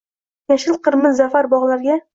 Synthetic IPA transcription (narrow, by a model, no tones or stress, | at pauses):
jaʃɪlˠqɤɾmɪzzafaɾbɒʁlˠaɾɡʲa